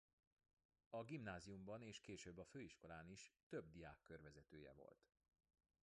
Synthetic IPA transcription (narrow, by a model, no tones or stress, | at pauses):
ɒɡimnaːziumbɒneːʃkeːʃøːbːɒføːiʃko̞laːniʃt̪øb̚d̪ijaːkːørvɛzɛt̪øːjɛ̰vo̞̰lt̪